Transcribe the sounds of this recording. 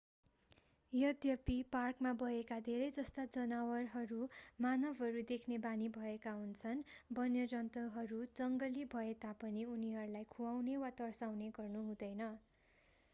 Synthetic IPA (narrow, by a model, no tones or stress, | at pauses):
jʌd̪jʌpiparkmabʱʌekad̪ʱeɾʌjd͡zʌst̪ad͡zʌnawʌrɦʌɾumanʌbʱɦʌɾud̪ekʰnebanibʱʌekaɦunt͡sʰʌnbʌnjʌɾʌnt̪ʌɦʌɾud͡zʌŋɡʌlibʱʌet̪apʌniuniɦʌɾulajkʰuawnewat̪ʌrsawneɡʌrnuɦũd̪ʌjnʌ